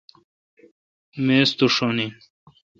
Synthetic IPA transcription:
mest̪uʂoni

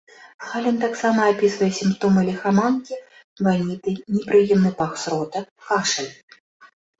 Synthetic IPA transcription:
salʲɛnt̪aksamɐːpʲisvɐjɛsʲimpt̪ɔmɨlʲɛxamankʲi | vanʲit̪ɨnʲɛpɾɨjɛmnɨpaxsɾɔt̪ɐkaʂɐlʲ

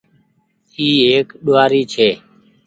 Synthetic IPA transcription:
iːɦeːkɗoːaːɾiːt͡ʃʰeː

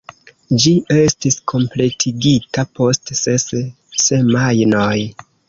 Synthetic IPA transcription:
d͡ʒie̞stiskʰo̞mple̞tʰiɡitapo̞stses | se̞majnoj

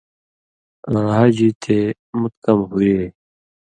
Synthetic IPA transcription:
ãːɦad͡ʑit̪ʰe | mʊt̪̚kʌmɦueː

